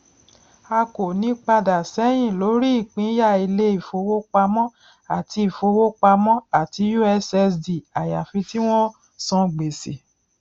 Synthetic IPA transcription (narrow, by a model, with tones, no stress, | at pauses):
a˧ko˨nĩ˨˦k͡pa˧da˨sɛ˨˦j̃ĩ˦˨lo˨˦ɾi˦i˦˨k͡pĩ˨˦ja˦˨i˧le˦i˦˨fo˧wo˦k͡pa˧mɔ̃˦ | a˦˨ti˧˦i˨fo˧wo˦k͡pa˧mɔ̃˦a˦˨ti˨˦ju˦ɛ˧sɛ˧sdi˨a˨ja˨fĩ˧ti˦w̃ɔ̃˦ | sɔ̃˧ɡ͡be˨se˨